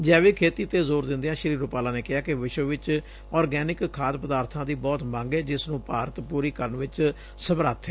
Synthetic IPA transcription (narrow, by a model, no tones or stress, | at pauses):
d͡ʒɛːʋeːkʰeːt̪iːt̪eːzoːɾd̪ɪnd̪jãːʃəɾiːɾʊpaːlãːneːkɪaːkɪʋɪʃʋəʋɪt͡ʃ | ɔːɾɡɛːnɪkkʰːaːd̪pəd̪aːɾt̪ʰãːd̪iːbɔːt̪mãːŋɡeːd͡ʒɪsnũːpaːɾət̪puːɾiːkəɾəɳʋɪt͡ʃ | səbɾaːt̪ʰe